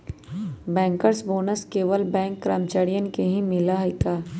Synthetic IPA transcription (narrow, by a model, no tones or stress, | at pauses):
bɛ̃ːŋkəɾsboːnəskeːʋəlbɛ̃ːŋkːɾaːmt͡ʃaːɾijənkeɦĩmɪlaɦɪkaː